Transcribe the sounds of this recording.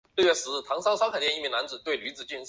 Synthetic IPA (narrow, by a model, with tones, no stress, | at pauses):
ɥɛ˥˩ʂɹ̩˧˥˧t̪ʰɑ˧˥ŋsɑ˥ʊsɑ˥ʊkʰt̪jɛ˥˧ni˥˩mi˧˥ŋna˧˥nt͡sɹ̩˨˩t̪we˥˩ɪly˧˥t͡sɹ̩˨˩t͡ɕy˥˧nʂ